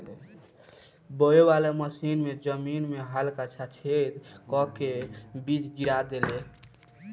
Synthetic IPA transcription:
bəebaleməsinmed͡ʒəminmeɦalkat͡ʃʰat͡ʃʰed̪kɔkebid͡ʒɡiɾad̪ele

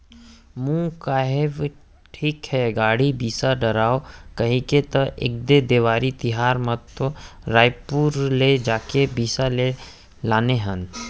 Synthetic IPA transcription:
mũːkaːɦeʋ | ʈʰiːkhɛɡaːɽibiːsaɖəɾaːokɐɦĩket̪əʔɪ̰k̚d̪ed̪eːʋaːɾit̪ɪɦaːɾmət̪ːoɾaːjpuːɾled͡ʒaːkebiːsale | laːneɦən

